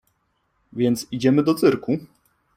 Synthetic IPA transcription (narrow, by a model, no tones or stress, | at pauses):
vʲjɛnt̪sid͡ʑɛmɘd̪ɔt̪sɘɾku